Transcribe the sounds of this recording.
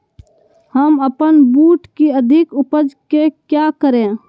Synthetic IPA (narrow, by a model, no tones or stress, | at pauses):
həməpənbuːʈkiəd̪ʱɪkʊpəd͡ʒkekjakəɾẽ